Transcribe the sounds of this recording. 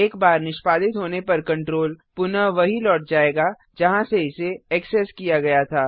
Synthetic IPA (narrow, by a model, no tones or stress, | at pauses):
eːkbaːɾnɪʃpaːd̪ɪt̪ɦoːnepɐɾkɐ̃ɳʈɾoːlpʊnəʋɐɦilɔːʈ̚d͡ʒaːeːɡa | d͡ʒɐɦãseɪseɛksɛskijaɡɐjat̪ʰaː